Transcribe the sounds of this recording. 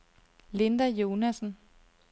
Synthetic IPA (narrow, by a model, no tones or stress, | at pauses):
le̝nd̥æjo̝ːnæsn̩